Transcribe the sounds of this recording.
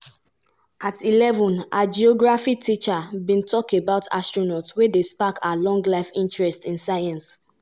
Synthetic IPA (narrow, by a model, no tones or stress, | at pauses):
atʰilɛvɔ̃nad͡ʒiɔɡɹafitʰit͡ʃabĩntʰɔkebaʊtʰa̰stɹonɔtwedespakalɔ̃ŋɡlaɪfĩntɹɛstĩnsaɪãns